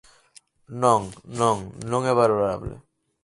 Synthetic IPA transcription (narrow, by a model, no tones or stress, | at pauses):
nɔŋnɔŋnɔŋeβaɾoɾaɾa̰blḛ